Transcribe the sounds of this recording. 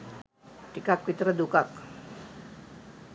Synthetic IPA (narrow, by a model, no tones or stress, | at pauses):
ʈikak̚pit̪ɾəd̪ukak